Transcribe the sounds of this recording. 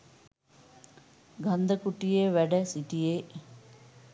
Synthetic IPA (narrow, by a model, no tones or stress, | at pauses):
ɡɐnd̪əkuʈijeʋæɖəsiʈijeː